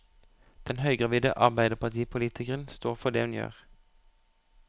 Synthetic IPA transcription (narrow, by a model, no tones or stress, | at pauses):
d̪̥ɛnhœʏɡʁɑʋiːd̪ə̰ʔɑʁbæɪd̪əʁpɑt̪ʰiːpʰʊliːt̪ʰɪkəʁənst̪oːʁfɔd̪eːhʉnjø̰ːʁ